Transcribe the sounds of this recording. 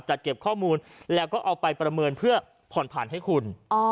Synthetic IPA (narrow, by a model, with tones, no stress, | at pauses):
t͡ɕa˨˩t̪̚ke˨˩p̚kʰɔː˥˩muː˧nlɛː˦˥wkɔː˥˩ʔa˧wpa˧jpɾa˧mɤː˧npʰɯ˥˩ɐ | pʰɔ˨˩˦npʰaː˨˩˦nɦa˥˩jkʰu˧n˧